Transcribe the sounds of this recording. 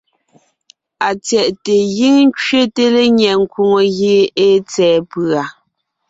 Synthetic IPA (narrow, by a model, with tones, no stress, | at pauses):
a˨t͡sjɛ˨ʔte˨ɣi˦ŋ˦t͡ʃɥe˦te˦le˦ɲjɛ˨ŋ̩˦ku˨ŋo˨ɣe˨e˦t͡sɛː˨pɰa˨